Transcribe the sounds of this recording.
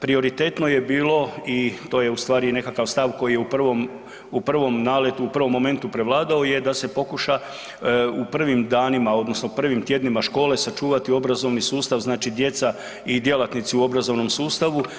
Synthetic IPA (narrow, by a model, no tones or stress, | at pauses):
pɾio̞ɾit̪et̪no̞je̞biːlo̞it̪o̞ːje̞ust̪ʋaːɾine̞kakaʋst̪aʋko̞jijeupr̩ʋom | upr̩ʋo̞mnaːlet̪uupr̩ʋo̞mːo̞me̞nt̪upɾe̞ʋlˠaːd̪ao̞je̞d̪ase̞po̞kuʃa | upr̩ʋimd̪aːnimao̞d̪no̞snopr̩ʋimt̪jed̪nimaʃko̞ːle̞sat͡ʃuːʋat̪io̞bɾazo̞ʋnisuːst̪aʋznaːt͡ʃid̪je̞t̪sa | id̪je̞lat̪nit̪siuo̞bɾazo̞ʋno̞msuːst̪aʋu